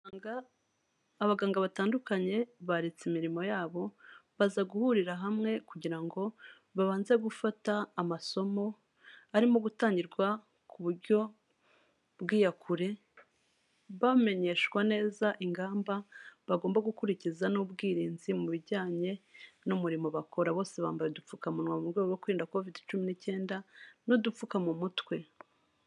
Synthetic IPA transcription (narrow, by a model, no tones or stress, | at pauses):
aŋaː | βaɡaːŋɡaβataːndukaɲe̞βaɾe̞t͡simiɾimo̞jaːβo̞βazaɡuhuɾiɾaɦamŋe̞kuɟiɾaŋɡo̞ | βaβaːnze̞ɡufataːmaso̞mo̞ | aɾimoɡutaːɲɟiɾɡwa | kʰuβuɾɟo̞ | bɡiːjakʰuɾe̞ | βame̞ɲe̞ʃwane̞ːzaʔiŋɡaːmbaβaɡo̞ːmbaɡukuɾicizanubɡiːɾiːnzimuβiɾɟaːɲe̞numuɾimo̞βakʰo̞ɾaβo̞ːse̞βa̰ːmbajedup͡fukamunwaumuɾɡeɡowokuiːndako̞vidit͡ʃuminice̞ːndanodup͡fukamumutwe̞